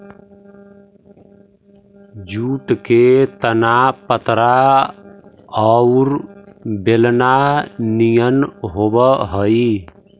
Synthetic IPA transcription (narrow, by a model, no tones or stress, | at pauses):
d͡ʒuːʈket̪ənapət̪ɾa | ɔʊɾbelnanijənɦobəɦəi